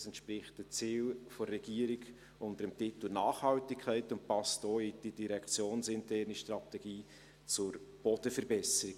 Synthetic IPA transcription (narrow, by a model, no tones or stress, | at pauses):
sɛntʃprɪχt̚d̥ət͡siːlforːɛɡ̥iəɾɪɡ | ʊntəɾəmtɪtl̩nɑːχhɑltɪkʰːɛɪtʊnt̚pɑstoːid̥idiɾɛkʰt͡sjoːnsɪntʰɛɾniʃtrɑtɛɡ̥iː | t͡sʊɾb̥ɔd̥əfəɾbɛsəɾɪɡ